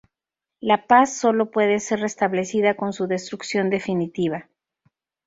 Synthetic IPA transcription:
lapasːo̞lo̞pwe̞ðe̞se̞ɾre̞st̪aβle̞siðako̞nsuðe̞st̪ɾuksjo̞nd̪e̞finit̪iβ̞a

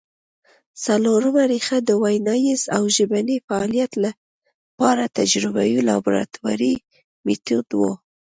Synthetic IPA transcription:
saloɾəmaɾixad̪əwajnɑjizawʒəbanifaɑlijat̪la | pɑɾat̪ad͡ʒɾɪbajilɑ̰buɾa̰t̪wa̰ɾi | mit̪ud̪wo̰

